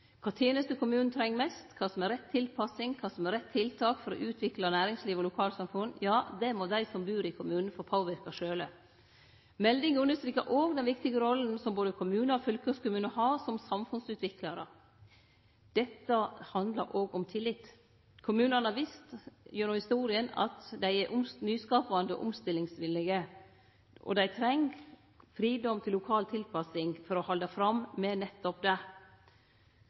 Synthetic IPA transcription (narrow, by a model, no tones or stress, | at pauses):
kʰɑːt̪ʰeːnəst̪əkʰʊmʉːnn̩t̪ʰɾɛŋːmɛst̪kʰɑːsɔmɛɾɛt̪ʰːɪlpʰɑsɪŋkʰɑːsɔmɛɾɛt̪ʰːɪlt̪ʰɑːkfɔɾɔ̰ʔʉːt̪ʰʋɪklɑnæːɾɪŋsliːʋɔlʊkʰɑːlsɑmfʉnjɑːd̪ɛmɔd̪æɪsɔmbʉːɾɪkʰʊmʉːnn̩fɔpʰoːʋɪɾkɑʂøːlə | mɛld̪ɪŋʉnəst̪ɾiːkɑʔoːɡd̪ɛnʋɪkt̪ɪɡəɾɔlːn̩sɔmboːd̪əkʰʊmʉːnəɔfœlkøskʊmʉːnəhɑɾsɔmsɑmfʉnsʉːt̪ʰʋɪklɑɾə̰ | d̪̥ɛt̪ːəhɑnd̪ləɾʔoːɡɔmt̪ʰɪlːɪt̪ː | kʰʊmʉːnənəhɑɾʋɪst̪jøːnʊhɪst̪uːɾɪənɑ̰t̪d̪æɪɛɾʔʊmnyːskɑːpɑnd̪ə̰ʔʊ̰mst̪ɪlːɪŋsʋɪlːɪɡə | ʔɔ̰d̪æɪt̪ʰɾɛŋɡ | fɾiːd̪ɔmt̪ʰɪlːʊkʰɑːlt̪ʰɪlpʰɑsɪŋfɔɾɔhɑld̪ɑfɾɑmmɛnɛt̪ːɔpd̪ɛ